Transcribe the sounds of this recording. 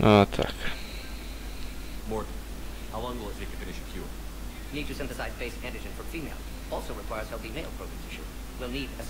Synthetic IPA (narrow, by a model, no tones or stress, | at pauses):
at̪ʰa̰k | mɔɹʔn̩ | haʊɔ̃nɡoəzðekʰɨ̥̃fɪ̃nɨʃɨfʰjṵ | nid̚tɨsɪ̃ɱfɨsaɪzbeɪskʰæ̃ndɨd͡ʒɨ̃nfə˞fimeɪlˠ | ɔlˠsoʊɹɨkʰw̥aɪə˞z̥hɛlˠθimeɪlˠpʰɹ̥oʊɡɹæ̃zɪʃʉ̰ | wilˠniɾɨs